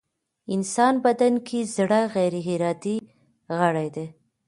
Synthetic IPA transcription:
ɪnsɑnbad̪ankʰezɽaɣajɾɦɪɾɑd̪i | ɣəɽajd̪e

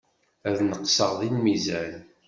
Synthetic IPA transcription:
æðnəqsəʁðinmizæn

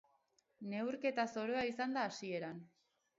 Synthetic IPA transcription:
ne̞wɾke̞t̪aso̞ɾo̞aisand̪aːsie̞ɾan

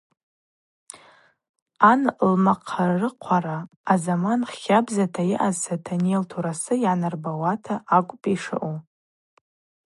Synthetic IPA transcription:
anlmaqʰarrɨqʷʰaɾaː | zamanχʲabzatʰajɪʔazsʰatʰaneltʰuɾasɨjʕanarbawatʰaʔakʷʼpʼiʂa̰ʔu

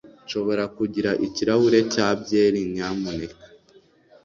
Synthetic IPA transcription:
ʃo̞βo̞ɾakuɟiɾaʔiciɾahuɾe̞caːbjeɾiɲamunekḁ

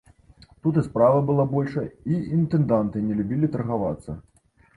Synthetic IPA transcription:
t̪ut̪ɨspɾavɐbɨlˠabɔlʲʂɐiint̪ɛnd̪ant̪ɨnʲɛlʲubʲilʲit̪ɐrɣava̰t̪sːɐ

